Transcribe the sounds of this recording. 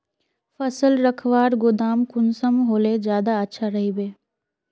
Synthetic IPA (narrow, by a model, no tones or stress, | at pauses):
fɐsəlɾəkʰʋaːɾɡʊd̪aːmkʊnsəmɦoːlezjaːd̪aətːʃʰaɾɐɦibeː